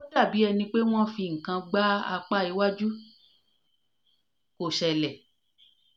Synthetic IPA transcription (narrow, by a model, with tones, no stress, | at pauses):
o˦da˦˨bi˨˦ɛ˧nĩ˧k͡pe˦w̃ɔ̃˦fĩ˧˨ŋ̩˨kã˧ɡ͡ba˦a̰˧k͡pa˦i˧˦wa˦d͡ʒu˦ | ko˨ʃɛ˧lɛ˨